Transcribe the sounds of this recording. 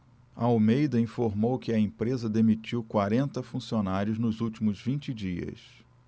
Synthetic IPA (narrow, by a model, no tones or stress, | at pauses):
ɐawmejd̪ɐĩfoɾmowkɪɐẽpɾezɐd̪emit͡ʃiwkwaɾẽnt̪ɐfũsionaɾjʊznʊzuwt͡ʃimʊzvĩnt͡ʃɪd͡ʒiɐ̰s